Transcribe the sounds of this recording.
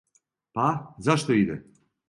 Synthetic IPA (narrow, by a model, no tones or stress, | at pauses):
pazaʃt̪oid̪ɛ